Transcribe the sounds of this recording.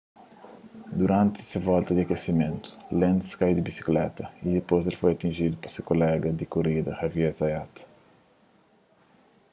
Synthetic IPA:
d̪uɾãnt̪ɪ̥sɐvɔlt̪ɐd̪iɐkesimẽnt̪u̥lẽnt̪skajd̪ibisi̥klɛ̰t̪ɐid̪epojzelfojɐt̪ĩnʒid̪upɐsekolɛɡɐd̪ikuɾid̪ɐhɐviet̪ɐjat̪

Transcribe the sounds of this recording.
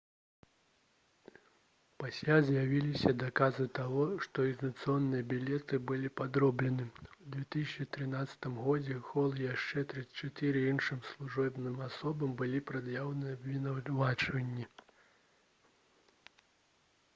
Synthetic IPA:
pasʲlʲazʲjavʲilʲisʲɐd̪akazɨt̪aɣɔʂt̪ɔiznɐt̪sɨɔnːɨjɐbʲilʲɛt̪ɨbɨlʲipad̪ɾɔblʲɛnɨud̪vʲɛt̪ɨsʲɐt͡ʂɨt̪ɾɨnat̪sːɐ̥t̪ɨmɣɔd͡zʲɛxɔlˠjaʂt͡ʂɛt̪ɾɨt͡ʃat̪ɨɾɨinʂɨmslˠuʐɔbnɨmasɔbɐmbɨlʲipɾad̪jawnɨjɐbvʲinawlvat͡ʂvɐnʲːi

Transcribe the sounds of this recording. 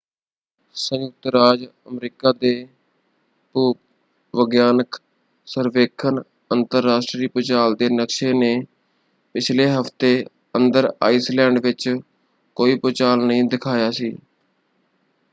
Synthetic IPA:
səjjʊk̚t̪ɾaːd͡ʒəmɾiːkaːd̪eː | puː | ʋəɡjaːnək | səɾʋeːkʰən | ənt̪əɾːaːsʈɾiːpʊt͡ʃaːld̪eːnəkʃeːneː | pɪt͡ʃʰleːɦəft̪eː | ənd̪əɾa̰ːiːslɛ̃ːɳɖʋɪt͡ʃ | koːiːpot͡ʃaːlnəɦĩːd̪ɪkʰaːjaːsiː

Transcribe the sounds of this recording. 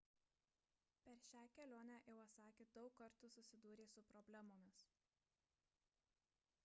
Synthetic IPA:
pʲɛɾʃʲæːkʲɛlʲoːnʲæːjɛʊɐt̪sɑːkʲeːd̪ɒʊkːɐɾt̪ʊsʊsʲɪd̪uːɾʲeːsʊpɾɔbʲlʲæmoːmʲɪs

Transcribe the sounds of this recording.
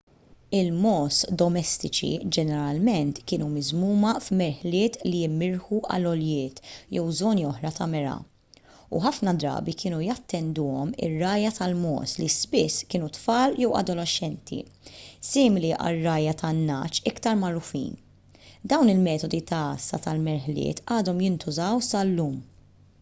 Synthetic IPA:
ɪlmɔːsd̪ɔmɛst̪ɪt͡ʃḭd͡ʒɛnɛɾɐlmɛnt̪kɪːnumɪzmuːmɐfmɛɾħlɪːt̪lijɪmːɪɾħuʔɐ̰lːɔljɪːt̪jɛwzɔːniɔħɾɐt̪ɐmɛɾɐ̰ | ṵħɐfnɐd̪ɾɐ̰ːbikɪːnujɐt̪ːɛnd̪ʊːɔmɪ̰rːɐːjɐt̪ɐlmɔ̰ːslispɪsːkɪːnut̪fɐːljɛwɐ̰d̪ɔlɛʃːɛnt̪ʰḭsɪːmɪliʔɐ̰rːɐːjɐt̪ɐnːɐ̰ːt͡ʃɪkt̪ɐɾmɐɾʊfḭːn | d̪ɐwnɪlmɛːt̪ɔd̪it̪ɐɐsːɐ̰t̪ɐlmɛɾħlɪ̰ːt̪ɐːd̪ɔmjɪnt̪ʊzɐwsɐlːuːm

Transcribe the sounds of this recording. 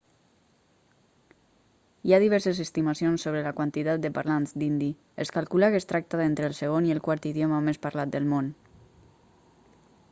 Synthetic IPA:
iaðiβ̞ɛɾsəzəst̪imasionsːoβɾəlakwant̪it̪at̪̚d̪əpa̰ɾlanzd̪ind̪i | eskalˠkulakest̪ɾak̚t̪aðent̪ɾəlˠsəɣ̞oniəlˠkwaɾt̪iðjomamespaɾlat̪̚d̪əlˠmon

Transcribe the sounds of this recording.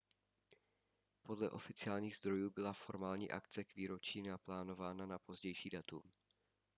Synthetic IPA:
po̞dlɛʔo̞fɪt͡sɪaːlɲiːɣzd̪ɾo̞juːbɪlafo̞ɾmaːlɲḭːʔa̰kt͡sɛkviːɾo̞t͡ʃiːnaplaːno̞vaːnanapo̞zɟɛjʃiːdat̪um

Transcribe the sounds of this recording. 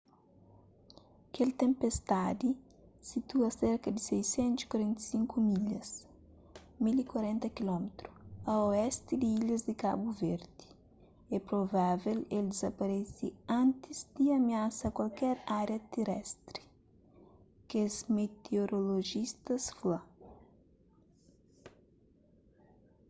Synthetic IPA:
kelt̪ẽmpest̪ad̪i | sit̪uɐseɾkɐd̪isɛjsẽnt̪uskwɐɾẽnt̪e̥siŋkumiʎɐs | milikwɐɾɛ̃nt̪ɐkilɔmet̪ɾuɐoɛst̪id̪iiʎɐzd̪ika̰buveɾd̪i̥ | ɛpɾovaveleld̪ɪzɐpɐɾesiãnt̪izd̪iɐmiasɐkwalkɛɾaɾjɐt̪eɾɛst̪ɾi | kezmet̪eoɾoloʒist̪ɐsfla

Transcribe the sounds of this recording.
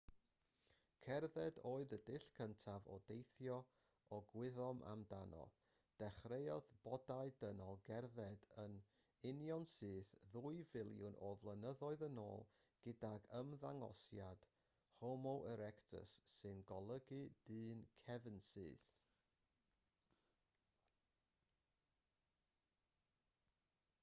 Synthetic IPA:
kʰɛrðɛdoːɨðədɪɬkʰəntʰavɔ̰dejθjɔ | ɔɡwɪðɔmʔa̰mdanɔ̰ | d̥ɛχrejɔðb̥ɔdaɨdənɔlˠɡɛrðɛdən | ɪnjɔnsɨːθðuɨvɪlˠjʊnʔɔvlˠənəðɔɨðəno̰ːlˠɡ̥ɪdaɡəmðaŋɔ̰sjad̥ | hɔmɔwʔəɾɛktʰə̰sːɨnɡɔlˠəɡɨd̥ɨːnkʰɛvənsɨːθ

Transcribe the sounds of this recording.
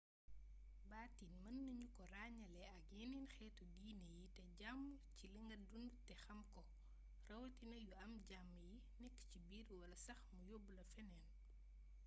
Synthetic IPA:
baːtinmɐnːɐɲukɔraːɲɐlɛɐk̚jininxɛːtɔɡiːnejitɛɟamːciləŋɡɐdundtɛxɐmkɔ | rɐwtinɐjuɐmɟamːji | nɛkːcibiːɾwɐlɐsɐxmujobːulɐfɛnɛːn

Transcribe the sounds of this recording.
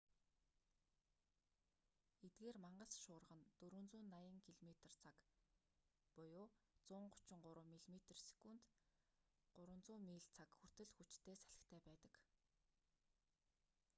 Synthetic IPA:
et̪̚ɡeːrmaɴɢə̆sʃʊːrʁə̆nt̪ɵɾɵ̆nt͡sʊːnːajə̆ŋkʰiɮmet̪̆r̥t͡sʰak | pɔjʊːt͡sʊːɴɢʊ̥t͡ɕɪ̆ŋɢʊɾʊ̆ːmiɮmet̪̆rsi̥kunt̪ | ɢʊɾwə̆nt͡sʊːmiːɮt͡sʰakxur̥t̪ɘ̆ɮxut͡ɕt̪ʰeːsḁɮɪ̆kt̪ʰæːpæːt̪ə̆k

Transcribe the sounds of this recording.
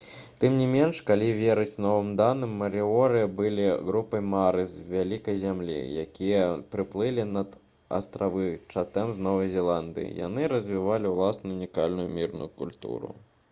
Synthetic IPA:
t̪ɨmnʲimʲɛnʂkalʲivʲeɾɨt͡sʲnɔvɨmd̪anɨmːɐɾiɔɾɨjɐbɨlʲiɣɾupɐjmaɾɨswvʲalʲikɐjzʲamlʲḭja̰kʲijɐpɾɨplˠɨlʲinɐd̪ | ɐ̰st̪ɾavɨt͡ʂat̪ɛmznɔvɐjzʲɛlˠand̪ɨ̰jḭja̰nɨɾɐzʲvʲivalʲiwlˠasnuunʲikalʲnujumʲirnṵjukulʲt̪ṵɾṵ

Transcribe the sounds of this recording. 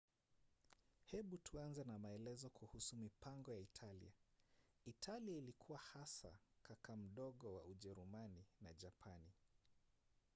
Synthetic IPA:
hɛɓutʰuanzɛnamaɛlɛzɔkʰuhusumipaŋɡɔjaitʰalḭa | itʰaliailikʰuwahasa̰kakam̩ɗɔɠɔwa̰uʄɛɾumaninaʄapʰani

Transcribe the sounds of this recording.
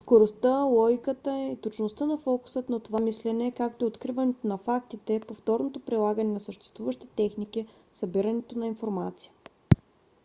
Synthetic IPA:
skoɾost̪əlˠɔɡikət̪əit̪ot͡ʃnost̪ənɐfɔku̥sət̪nɐt̪ovamislɛnɛkak̚t̪oɛot̪kɾivɐnɛt̪onɐfak̚t̪it̪ɛpoft̪ɔɾnot̪opɾilˠaɡənɛnɐsəʃt̪ɛ̥st̪vuvəʃt̪ɛt̪ɛxnik̟i | sɐbiɾənɛt̪onɐinfoɾmat̪sijə̥

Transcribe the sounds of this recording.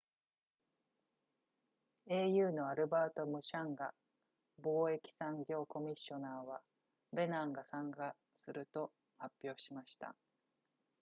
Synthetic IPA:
e̞ːjɯ̟ːno̞aɾɯ̟baːt̪o̞mɯ̟ɕãŋɡa | bo̞ːe̞kʲi̥sãŋɡʲo̞ːko̞mʲiɕːo̞naːβa | be̞nãŋɡasãŋɡa | sɨɾɯ̟t̪o̞ | hapʲːo̞ːɕimaɕi̥t̪a̰

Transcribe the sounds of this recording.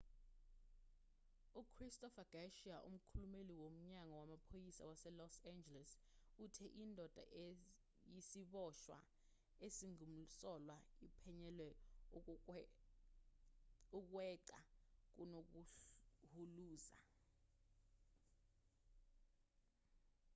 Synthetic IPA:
ukʰristɔfaɡ̥aʃiaʔṵm̩kʰulumeliwom̩ɲaŋɔwamapʰojisa̰wasɛlɔsand͡ʒɛlɛsutʰɛʔindʱɔd̥ʱa̰ʔ | jisiɓɔʃwa̰ | esiŋum̩sɔlwaipʰɛɲɛlwɛ | uk̬wɛǀa̰k̬unokuhuluːza̰

